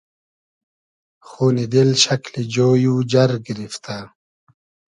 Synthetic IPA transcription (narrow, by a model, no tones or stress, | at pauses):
xuːnid̪elɕɐklid͡ʑoːjuːd͡ʑɐɾɡiɾift̪aː